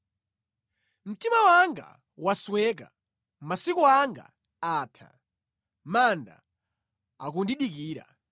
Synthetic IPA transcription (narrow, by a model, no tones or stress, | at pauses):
m̩timawaŋɡa̰ | waswɛk̬a̰ | masikuaŋɡa̰ | aːtʰa̰ | manda̰ | a̰kundiɗikiːɾa̰